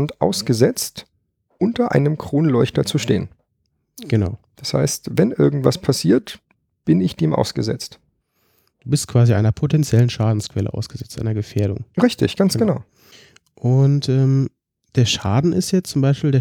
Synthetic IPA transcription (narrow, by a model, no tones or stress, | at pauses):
ntʔa̰ʊsɡ̥əzɛt͡st | ʔʊntɐʔa̰ɪnəmkʁ̥oːnlɔʏçtɐt͡suʃtḛːən | ɡ̥əna̰ʊd̥asha̰ɪstvɛnʔɪɐɡŋ̩tv̥aspʰasiːɐt | b̥ɪnɪçd̥eːmʔa̰ʊsɡ̥əzɛ̰t͡st | d̥uːbɪstkv̥aːziʔa̰ɪnɐpʰotʰɛnt͡sjɛlənʃaːdn̩skv̥ɛlə̰ʔa̰ʊsɡ̥əzɛt͡stʔa̰ɪnɐɡəfeːɐɾʊ̰ŋʁɪçtɪ̰çɡ̥ansɡ̥ənaʊ | ʔʊntʔɛːm | d̥eːɐʃaːdn̩ɪ̰stjɛt͡st͡sʊmbaɪʃpiːldeː